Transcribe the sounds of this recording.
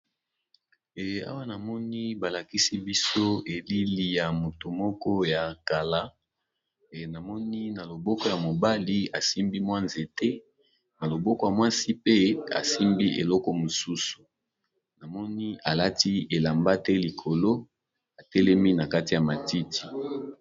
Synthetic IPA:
a̰˦wa˦na˨mɔ˦ni˦ba˨la˨ki˦si˦bi˦so˦e˨li˦li˦˨ja˨mo˨to˨mɔ˦kɔ˦ja˨ŋka˨la˦˨ | na˨mɔ˦ni˦na˨lo˨bɔ˦kɔ˦ja˨mo˨ba˦li˦a˨si˦mbi˦mwa˦nze˨tɛ˦ | na˨lo˨bɔ˦kɔ˦ja˨mwa˦si˦pe˦a̰˨si˦mbi˦ʔḛ˨lɔ˦kɔ˦mo˨su˦su̥˨ | na˨mɔ˦ni˦a˨la˦ti˦e˨la˨mba˦tɛ˦li˨kʰo˨lo˦ | a˨tɛ˦lɛ˦mi˦na˨ka˦ti˨ja˨ma˨ti˦tʰi̥˨

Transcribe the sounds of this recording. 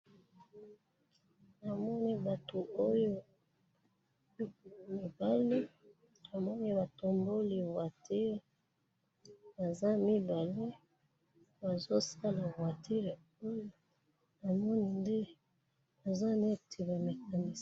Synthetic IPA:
na˨mɔ˦ni˦ba˨to˨o˦jo˦˨ | mi˨ba˦le˦ | a˨mɔ˦ni˦ba˨to˨mbo˦li˨vwa˨tʰe˦˨ | ba˨za˦mi˦ba˨le˦ | ba˨zo˦sa˦la˨vwa˨tʰe˦l | o˦jo˦ | na˨mɔ˦ni˦nde˦ | a˨za˦ne˦tʰi˨ba˨me˨ka˨ni˦

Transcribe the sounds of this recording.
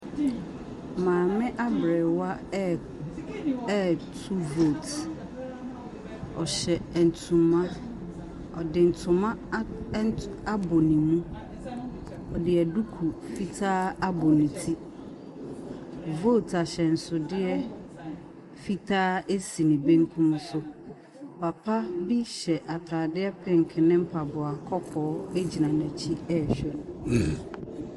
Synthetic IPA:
mãː˨mɪ̃˦ʔa˦bɾɛ˨wa˦ | tʰu˦vo˦˨t | ɔ˨ɕɛ˨n̩˨tʰũ˨mã˦ | ɔ˨dɪ˨n̩˨tʰʊ̃˨mã˦ | a˦bo˨nĩ˨mũ˦ | ɔ˨dɪ˨ɛ˨du˦kʰu˨fi˦tʰaː˦a˦bo˨nĩ˨tʰi˦ | vo˦˨tʰa˨ɕɛ˨n̩˨sʊ˨dɪ˦ɛ˦ | fi˦tʰaː˦e˦si˨nĩ˨bẽ˦ŋ˦kʰũ˦msʊ˦ | pʰa˨pʰa˦bi˦ɕɛ˨ʔa˨tʰaː˨dɪ˦ɛ˦pʰɪ̃˦˨ŋ̩˨kʰɪ˨nɪ̃˦m̩˦pʰa˨bʊ˨a˨kʰɔ˦kʰɔː˨˦e˦d͡ʑi˨nã˨næ̃˨t͡ɕʰi˦ɛ˦˨ɕᶣɛ˦nʊ̃˨

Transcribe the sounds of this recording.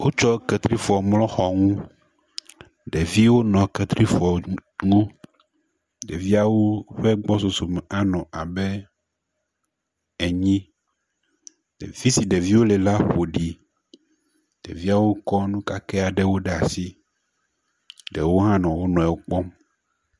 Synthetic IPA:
wo˦t͡ʃɔ˦kɛ˨t̪ɾi˦fɔ˨mlɔ̃˦xɔ˨ŋũ˦ | ɖe˨vi˦wo˦nɔ̃˨kɛ˨t̪ɾi˦fɔ˨ŋũ˦ | ɖe˨vi˦a˨wo˦ɸɛ˦ɡ͡bɔ˦so˨so˨m˨a˦nɔ̃˨a˨bɛ˦ | ɛ˨ɲĩ˦ | ɖ̥ḛ˨vi˦si˨ɖe˨vi˦wo˦lɛ˨la˦ɸo˨ɖi˨ | ɖ̥ḛ˨vi˦a˨wo˦kɔ˦nũ˦ka˦kɛ˦a˨ɖɛ˦wo˦ɖe˨a˨si˦ | ɖe˨wo˦ɦã˦nɔ̃˨wo˦nɔ̃˨ɛ˨wo˦k͡pɔ˦m

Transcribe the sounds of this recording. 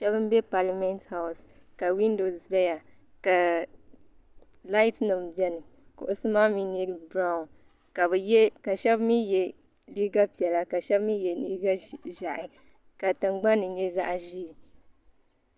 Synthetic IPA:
ʃɛ˦bɨ˦m˦bɛ˦pa˨la˨˦mɛ˦ntha˨ʊ˨s | ka˨wi˦ndo˨sbɛ˦ja˨ | ka˨ | la˦ɪ˦tnɨ˨mbjɛ˦nɨ˨kʊ̰˨ʔʊ˨sɨ˦maː˦mi˦ni˦ɾbɾa˦˨n | ka˨bɨ˨jɛ˦ka˨ʃɛ˦bmi˦jɛ˨ | liː˦ɡa˦pi˨ɛ˨la˦ka˨ʃɛ˦bmi˦jɛ˨li˦ɡa˦ʒa˨ʔɪ˨ | ka˨tɨ˨ŋ͡mɡ͡ba˦nɨ˨ɲɛ˦za˦ʔʒiː˦˨

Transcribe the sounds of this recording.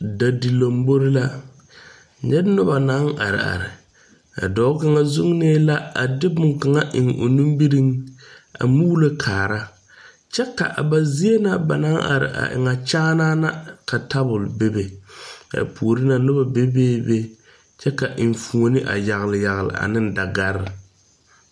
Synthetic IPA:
da˨di˨lo˨mbo˦ɾɪ˦la˦ | ɲɛ˦dnʊ˦ba˨na˦ŋa̰˨ɾɪ̰˨a̰˨ɾɪ˨ | a̰˨dɔ˨˦ka˦ŋa˦zʊ˦ŋneː˦la˦a˨dɪ˦bʊ˨ŋka˨ŋa˦ʔɪ˨ŋo̰˨nu˦mbi˦ɾi˦ŋa̰˨mu˦lo˦kʰaː˨ɾa˦ | t͡ʃɛ˦ka̰˨ʔa˨ba˨zi˦e˦na˦ba˨na˦ŋʔa̰˨ɾɪ̰˨ʔa̰˨ʔɪ̰˨ŋa˨t͡ʃaː˦naː˦na˦ka˨ta˦bʊ˨lbe˦be˨ka̰˨pʰoː˨ɾi˦na˨nʊ˦ba˨be˦beː˦be˦ | t͡ʃɛ˦ka˨ʔɪ˨ɱ˨fu˨o˨nɪ˦ʔa̰˨ja˨ɣɪ˨lɪ˨ja˨ɣlɪ̰˨ʔa̰˨nɪ˦n˦da˨ɡa˦ɾɪ˨

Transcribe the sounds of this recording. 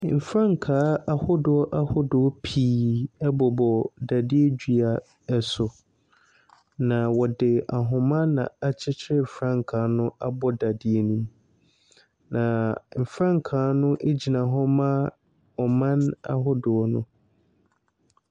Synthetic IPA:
m̩˨fɾã˦ŋ̩˨kʰaː˨˦a˦hʊ˦dʊ˨˦ɔ˦ʔa˦hʊ˦dʊ˨ɔ˦pʰiː˦ɛ˦bɔ˨bɔ˨da˨dɪ˦e˦d͡ʑᶣɥa˨ | ɛ˨sʊ˨ | nã˨wɔ˨dɪ˨a˨ɦʊ̃˨mã˦nã̰˨a˨t͡ɕʰɪ˦t͡ɕʰɪ˦ɾɪ˦˨fɾã˦ŋ̩˨kʰaː˨˦nʊ̃˦a˦bɔ˦da˨dɪ˦e˦nũ˦m | nã˨m̩˨fɾã˦ŋ˨kʰaː˨˦nʊ̃˦ʔe˦d͡ʑi˨nã˨ɦɔ˦mã˦ | ɔ˨mã˦na̰˨ɦʊ˦dʊ˨ɔ˦nʊ̰̃˦

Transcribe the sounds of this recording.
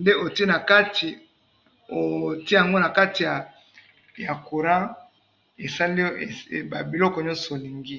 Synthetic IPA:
nde˦o˨ti˦e˦na˨ka˦tʰi˨ | o˨ti˦ja˨ŋɡo˦na˨ka˦ti˨ja˨ | ja˨ku˨ʁã˦ | e˨sa˦li˦e˨ba˨bi˨lɔ˦kɔ˨ɲɔ̃˦so˨li˨ŋɡi˦

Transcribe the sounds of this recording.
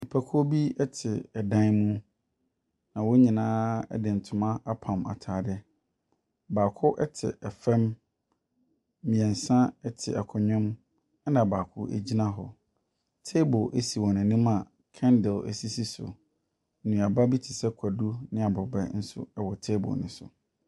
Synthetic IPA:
i˨pʰæ˨kʰɔ˦bi˦ɛ˦tʰɪ˨ɛ˨dã˦nmũ˦ | nã˨wɔ˦ɲĩ˨nãː˦ɛ̰˦dɪ˨n̩˨tʰʊ˨mã˦a˦pʰã˨ma̰˨tʰaː˨dɪ˦ | baː˨kʰʊ˦ʔɛ˦tʰɪ̰˨ʔɛ˨fɛ̃˦m˦ | ĩ˨ɛ̃˨n˨sã˦ɛ˦tʰɪ̰˨ɛ˨kʰɔ˨ɲʊ̃˦m | ɛ˦nã˨baː˨kʰʊ˦ʔæ̰˨d͡ʑi˦nã˦ɦɔ̰˨ | tʰe˦bʊ˨ʔæ˦si˨wɔ̃˨nɪ̃˨nĩ˦mã˨ | kʰɛ̃˦ndɪ˨læ̰˨si˦si˦sʊ̰˨ | nũ˨a˨ba˦bi˦tʰi˨sɛ˦kʰa˨du˦nɪ̃˦a˨bɔ˨bɛ̰˦n̩˦sʊ̰˦ɛ˦wɔ˨tʰe˦bʊ̰˨nɪ̃˨sʊ̰˨

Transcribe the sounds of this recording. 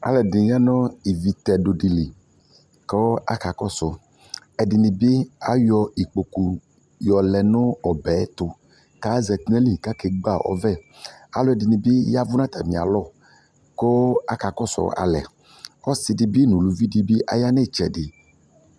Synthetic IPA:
a̰˨lɛ˨di˨ɲa˦nɔ̃˦i˨vi˨t̪ɛ˨do˨ɖi˨li˨ | kɔ˦a̰˦ka˨kɔ˦sɔ˨ | ɛ˨di˨nĩ˨be˦a˦jɔ˨i˨k͡po˨ku˨ | jɔ˨lɛ˨nɔ̃˦ɔ˨bɛ˨˦t̪ʊ˨ | ka˦zɛ˨tnɛ̃˦li˨ka˦ke˨ɡ͡ba˦˨ʔɔ̰˦vɛ˦˨ | a̰˨lo˦ɛ˨di˨nĩ˨be˦ja˦vu˦nã˦t̪a˨mĩ˨a̰˨lɔ˦˨ | kɔ˦a˦ka˨kɔ˦sɔ̰˨a̰˨lɛ̰˨ | ɔ˦si˨di˨bi˦nũ˨lu˨vi˦di˦bi˦ʔa̰˦ja˦nɛ˦˨t͡ʃɛ˨dɪ˨

